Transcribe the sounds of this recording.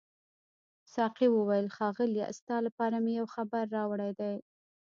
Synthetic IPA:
sɑqiwəwajəlxɑɣəlj̰st̪ɑlapɑɾamɪjawxabaɾːɑwɽajd̪aj

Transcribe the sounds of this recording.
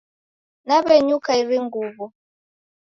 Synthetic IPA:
naβɛɲukaiɾiŋɡuːβu

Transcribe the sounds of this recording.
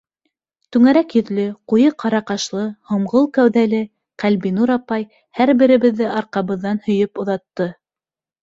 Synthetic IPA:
t̪ʉŋæɾækjɵ̆ðlɘqujɤqʰɑɾɑqɑʃlˠɤhŏmʁolˠkæwðælɘ | qælbinuɾɑpɑj | hæɾbɘ̆ɾɘ̆βɘ̆ðːɘʔɑɾqɑβɤ̆ðːɑnhɵ̆jɵpŏðɑt̪ːɤ

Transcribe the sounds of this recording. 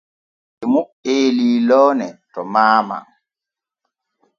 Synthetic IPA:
ʔimu | eːliːlɔːnɛtɔmaːma̰ŋ

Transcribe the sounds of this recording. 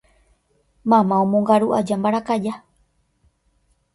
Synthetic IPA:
mãmãõmõŋɡaɾuʔad͡ʒambaɾakad͡ʒa

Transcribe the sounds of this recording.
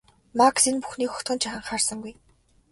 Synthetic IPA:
maksinpuxniːkxɔ̥t̪ʊ̆nt͡ɕʰaχə̆ɴχaːrsə̆ŋɡuj

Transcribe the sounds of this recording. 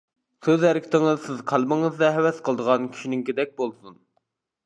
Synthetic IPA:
søzhɛɾɪkʲʰɪ̥t̪ɪŋɨzsɪzqʰɑlˠmɨŋɨzd̪ɛɦɛwɛsqʰəlˠəd̪əʁɑnkʲʰy̥ʃinɪŋkʲid̪ɛk̚ʲbolˠsun

